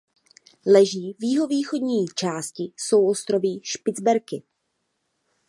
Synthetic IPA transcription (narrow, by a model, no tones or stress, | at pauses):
lɛʒiːvjɪɦo̞viːxo̞dɲiːt͡ʃaːscɪso̞wʔo̞st̪ɾo̞viːʃpɪd͡zbɛɾkɪ